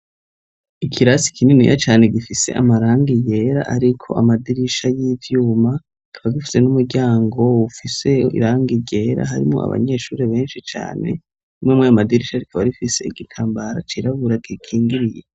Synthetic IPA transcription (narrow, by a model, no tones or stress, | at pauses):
ikʰiɾasi̥kininḭja̰t͡ʃaːne̞ɡifise̞̰ʔa̰maɾaːŋɡije̞ɾaʔaɾikʰo̞̰ʔa̰madiɾiʃajiːvjuːma | kʰaβaɡifi̥se̞numuɾɟaːŋɡo̞ufise̞ḭɾaːŋɡiɟe̞ɾa̰ɦaɾḭmŋo̞̰a̰βa̰ɲe̞ʃuːɾeβe̞ːnʃit͡ʃa̰ːne̞̰ | imwemweamadiɾiʃaɾikʰaβaɾifise̞iɡikʰaːmbaɾa̰t͡ʃiɾaβuɾaɡikʰiːŋɡiɾije